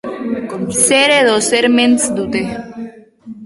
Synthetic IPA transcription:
seɾeðoseɾmensd̪ut̪e

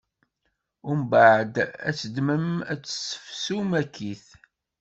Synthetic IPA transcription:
ʊɾmbaʕəd̪æ̰sːəd̪məmæt͡sːsə̥fsumækːiθ

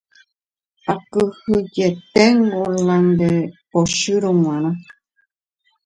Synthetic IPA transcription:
akɨhɨd͡ʒet̪eŋɡolãnd̪epoʃɨɾomw̃ãɾ̃ã

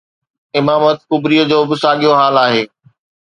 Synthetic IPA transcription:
ɪmaːmət̪̚xʊbɾiːəd͡ʑoːbɪsaːɠijoɦaːlaːɦeː

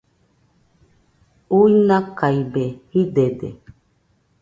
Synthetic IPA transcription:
uinãkaibehid̪ed̪e

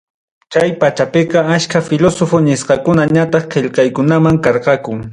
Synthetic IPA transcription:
t͡ʃajpat͡ʃapɪqɑaʃkafɪlosofonɪsqɑkʊnaɲat̪ɑχqeʎqɑjkʊnamaŋkɑɾqɑkʊŋ

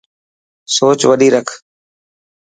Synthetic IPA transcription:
soːt͡ʃʋəɗiːɾəkʰ

